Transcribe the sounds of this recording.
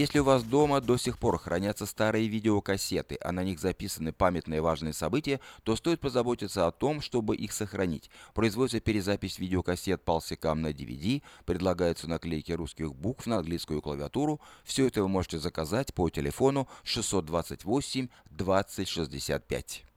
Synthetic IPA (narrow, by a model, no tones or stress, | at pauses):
jesʲlʲɪʊvasd̪o̞məd̪o̞sʲɪxpo̞rxɾʔɐnʲat̪səst̪aɾɨjəvʲidʲɪokɐsʲe̞t̪ɨʔɐ̰nɐnʲixzɐpʲisənɨpamʲɪt̪nɨjəvaʐnɨjəsɐbɨtʲɪjət̪o̞st̪o̞jɪt̪̚pəzɐbo̞tʲɪt̪səɐt̪o̞mʂt̪o̞bɨʔixsəxɾɐnʲḭtʲpɾəɪzvodɪt̪ːəpʲɪɾʲɪzapʲɪsʲvʲidʲɪokɐsʲe̞t̪̚pəəlˠsʲɪkamnədʲɪ̰vʲɪ̰dʲipɾʲɪd̪lˠɐɡajʊt̪sənɐklʲejɪkʲɪɾuskʲɪxbukfnəɐnɡlʲiskʊjʊklˠəvʲɪɐt̪uɾʊfsʲɵɛt̪əvɨmo̞ʐɨtʲɪzəkɐzatʲpotʲɪlʲɪfo̞nʊʂɨsːo̞t̪̚d̪vat̪sətʲvo̞sʲɪmʲd̪vat̪sɨtʲʂɨzʲdʲɪsʲa̰t̪̚pʲæ̰tʲ